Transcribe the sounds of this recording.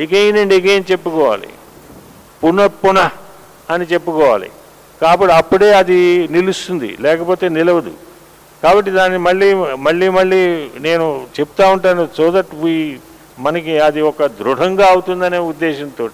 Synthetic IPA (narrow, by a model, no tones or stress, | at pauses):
iɡeːjnɐɳɖiɡeːnit͡ʃe̞pːukɔːʋa̰ːlḭ | punɐpunɐ | ɐnit͡ʃe̞pːukɔːʋa̰ːlḭ | kaːbɐʈiɐpːuɽeːɐd̪inilust̪und̪ḭlɛːkɐpo̞ːt̪e̞ːnilɐʋɐd̪ṵ | kaːbɐʈ̬ːid̪aːnːimɐɭːiːmɐɭːiːmɐɭːiːne̞ːnut͡ʃepu̥t̪aːuɳʈaːnut͡ʃuːd̪ɐʈːʋiː | mɐnɐkiɐd̪iɔkɐd̪ɾuɽɐŋɡaːɐwut̪und̪ɐneːud̪ːeːʃɐnt̪o̞ːʈi